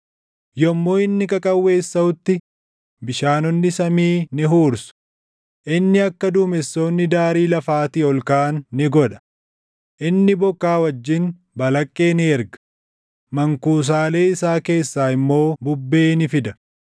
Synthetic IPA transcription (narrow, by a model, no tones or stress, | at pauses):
jɔmːo̞ːɪnːɪkʼɐkʼɐwːe̞ːsːɐʊt̪ːɪ | bɪʃaːnɔnːɪsɐmiːnɪɦuːɾsʊ̥ | ʔɪnːɪɐkːɐd̪uːmɛsːo̞ːnːɪd̪aːɾiːlɐfaːt̪iːɔlkaːnːɪɡɔᶑɐ̥ | ʔɪnːɪbɔkːaːwɐd͡ʒːɪn | bɐlɐkʼːe̞ːnɪɛɾɡɐ̥ | mɐŋkuːs̬aːle̞ːɪsaːke̞ːsːaːɪmːo̞ːbʊbːe̞ːnɪfɪd̪ɐ